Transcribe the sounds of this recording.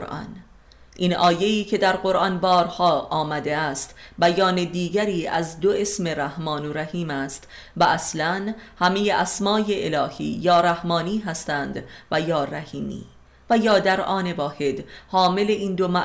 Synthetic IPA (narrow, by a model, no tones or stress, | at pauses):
ɾʔɒ̰n | ʔiːnʔɒːje̞iːcʰe̞d̪æɾɢo̞ɾʔɒnbɒːɾhɒːɒːmæd̪e̞æst̪bæjɒːned̪iːɟæɾiːæ̰zd̪o̞e̞sme̞ɾæhmɒːnoɾæhiːmæst̪ | væʔæslænhæme̞jeʔæsmɒːje̞ʔelɒːhḭːjɒːɾæhmɒːniːɦæst̪ænd̪væjɒːræhiːmḭː | væjɒːd̪æɾɒːne̞vɒːhe̞d̪hɒːme̞le̞iːnd̪o̞mæ